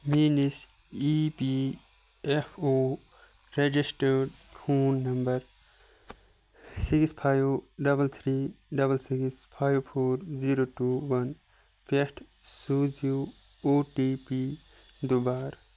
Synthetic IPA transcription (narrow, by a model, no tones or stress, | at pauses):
miːnis | ipi | efʰoː | ɾed͡ʒisʈəɖhʰuːnːɐmbɐɾ | sikspʰaːjoɖɐbəlt̪ʰɾiːɖɐbəlsikspʰaːjʋpʰoːɾziɾoʈuːʋɐn | pʰesʈʰ | suːd͡ʒi | oːʈiːpi | d̪ubaːɾ